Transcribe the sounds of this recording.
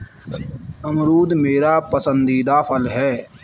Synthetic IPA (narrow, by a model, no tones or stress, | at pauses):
əmɾuːd̪meːɾaːpəsə̃nd̪iːd̪aːpʰəlɦɛː